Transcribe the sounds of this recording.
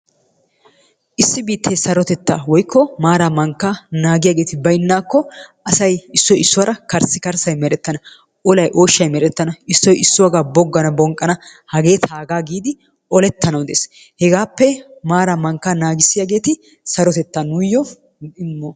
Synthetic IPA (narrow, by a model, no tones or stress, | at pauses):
ʔɪsːɪbiːt̪ːeːsɐɾɔt̪ɛt̪ːa̰ːwɔjkʰːɔmaːɾamɐŋkːanaːɡɪjaːɡe̞ːt̪ɪbɐjnːaːkːɔʔɐsɐjɪsːɔjɪsːʊwɐɾʔɐkɐɾsɪkɐɾsɐjmɛɾɛt̪ːɐnɐ | ʔɔlɐjʔo̞ːʃːɐjmɛɾɛt̪ːɐnɐɪsːɔjɪsːʊwɐɡaːbɔɡːɐnɐbɔŋkʼːɐnɐhɐɡe̞ːt̪ʰaːɡaːɡiːd̪ɪ | ʔɔlɛt̪ːɐnɐwd̪ḛːs | hɛɡaːpːɛmaːɾamɐŋkːanaːɡɪsɪjaːɡe̞ːt̪ɪ | sɐɾɔt̪ɛt̪ːanʊjːɔ | ɪmːo